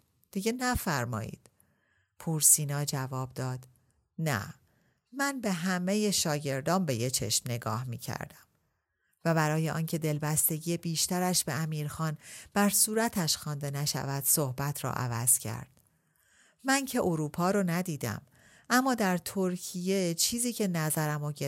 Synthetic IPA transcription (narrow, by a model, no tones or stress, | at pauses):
d̪̥iɟe̞næfæɾmɒ̰ːḭːd̪̥ | pʰuɾsiːnɒːd͡ʒævɒːbd̪ɒːd̪̥ | næ̰ | mænbe̞ɦæme̞je̞ʃɒːɟe̞ɾd̪ɒːmbe̞je̞t͡ʃʰe̞̰ʃmne̞ɡɒ̰ːhmḭːcʰæ̰ɾd̪æm | væbæɾɒːje̞ʔɒ̰ːncʰe̞d̪e̞lbæst̪e̞ɟijebiːʃt̪æɾæʃb̥e̞æmiːɾxɒːnb̥æɾsuːɾæt̪ʰæʃxɒːnd̪e̞næʃæ̰væd̪̥sohbæt̪ʰɾɒ̰ːʔæ̰væ̰z̥cʰæ̰ɾd̪̥ | mæncʰe̞ʔoɾuːpʰɒːɾonæd̪iːd̪æ̰m | ʔæmːɒːd̪æɾt̪ʰoɾcʰije̞t͡ʃʰiːziːcʰe̞næzæɾæmoɟe